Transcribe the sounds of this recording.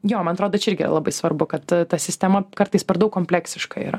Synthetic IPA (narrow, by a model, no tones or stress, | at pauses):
joːmɐnɐt̪ɾoːd̪ot͡ʃʲɛɪɾʲɡʲɪ̰ːɾɐ̰lˠɐbɐɪsʋɐrbʊkɐt̪t̪ɐsʲɪsʲt̪ʲɛmɐkɐɾt̪ɐɪspʲɛɾd̪ɐʊkːoːmʲpʲlʲæːksʲɪʃkɐḭɾɐ̰